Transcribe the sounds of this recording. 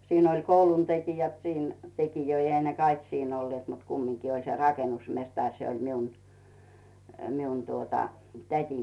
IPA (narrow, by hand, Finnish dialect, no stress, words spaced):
siːn olʲ koulun tekijæt siːn tekijøi ehæ ne kɑik siːn olːĭet mut kumːiŋki olʲ se rɑkenusmestɑrʲ se olʲ miun miun tuotɑ tætʲim